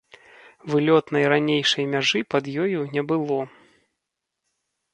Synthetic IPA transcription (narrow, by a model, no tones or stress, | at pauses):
vɨlʲɔt̪nɐjɾanʲejʂɐjmʲaʐɨpɐd̪jɔjunʲɛbɨlˠɔ